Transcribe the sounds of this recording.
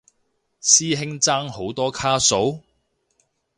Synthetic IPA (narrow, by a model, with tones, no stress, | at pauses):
siː˥ɦɪ˥ŋt͡saː˥ŋho˨˥wt̪ɔː˥kʰaː˥so˨˥w